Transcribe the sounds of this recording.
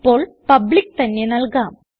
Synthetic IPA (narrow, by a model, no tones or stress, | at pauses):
pːoːɭ | pɐblik̚ːt̪ɐnːenɐɭkaːm